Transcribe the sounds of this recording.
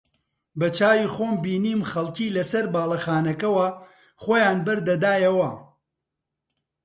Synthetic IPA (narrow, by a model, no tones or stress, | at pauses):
bɐt͡ʃaːwiːxoːmbiːniːmxɐlˠciːlɐsɐɾbaːlˠɐxaːnɐkɐwɐ | χoːjaːnbɐɾd̪ɐd̪aːjɐwɐ